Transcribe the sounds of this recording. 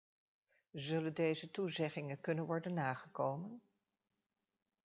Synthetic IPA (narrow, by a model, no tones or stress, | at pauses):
zɵləndejzətuzɛχɪŋəkɵnənʋɔɹdənːaːχəkowmən